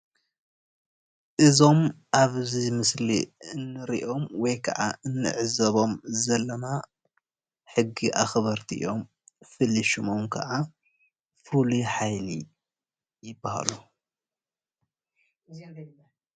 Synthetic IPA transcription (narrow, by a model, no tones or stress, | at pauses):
ʔɨzo̞mʔaβzimɨsliɨnːɨɾiʔo̞mwɔjkʰɐ̰ʕa̰ʔɨnːɨ̰ʕɨzɐβo̞mzɐlːɐma | ħɨɡːiʔaxβɐɾt̪ʰiʔʔo̞m | fɨlːiʃumomkʰɐ̰ʕa | fuluħajli | jɪbːaha̰lu